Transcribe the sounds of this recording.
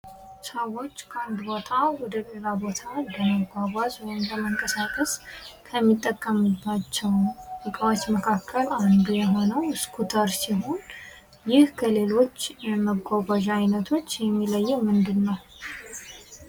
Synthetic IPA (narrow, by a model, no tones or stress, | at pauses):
səwo̞t͡ʃːkʰəand̪bot̪ʰawɔd̪əɡʼeɾabot̪ʰad̪əməɡʷaβazwɔjɪmləməŋkʼəsakʼəskʰəmːit̪ʼːəkʼːəmɨbːat͡ʃːɛwɨkʼwat͡ʃməkʰakʰːəland̪ujɛɦo̞nəwskʰut̪ʰəɾsiɦo̞n | jɪhkʰəle̞lo̞t͡ʃːɛməɡʷaɡaʒajnət̪ʰo̞t͡ʃːjɛmːiləjːɛmɨnd̪ɨnːəw